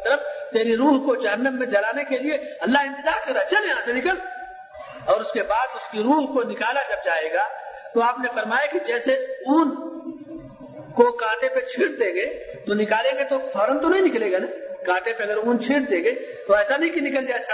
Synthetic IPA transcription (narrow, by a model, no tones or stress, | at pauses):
t̪əɾəft̪eːɾiɾuːɦkod͡ʒɐɦənːəmːẽd͡ʒɐlaːnekelieɐlːaɦɪ̃nt̪ɪzaːɾkɐɾat͡ʃɐleːãsenɪkəl | ɔːɾʊskebaːd̪ʊskiɾuːɦkonɪkaːlad͡ʒɐb̚d͡ʒaːeːɡat̪oaːpnefɐɾmaːjakid͡ʒɛːseuːn | kokãːʈẽpet͡ʃʰiːɽd̪ẽːŋ̆ɡet̪onɪkaːlẽːŋɡet̪ofɔːɾənt̪onɐɦĩnɪkleːɡaːnɐikãːʈẽpeɐɡəɾũːnt͡ʃʰiːʈd̪ẽːŋɡet̪oɛːsanɐɦĩkinɪkəld͡ʒaːsa